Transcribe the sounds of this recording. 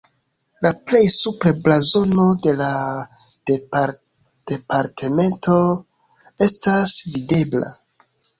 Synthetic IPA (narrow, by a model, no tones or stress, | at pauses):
laple̞jsupɾeblazo̞no̞de̞la | d̥eaɾ | d̥e̞paɾtʰeme̞ntʰo̞ | e̞stasvide̞bla̰